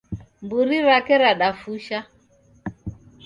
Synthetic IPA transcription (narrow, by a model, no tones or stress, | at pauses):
mbuɾiɾakɛɾaɗafuʃa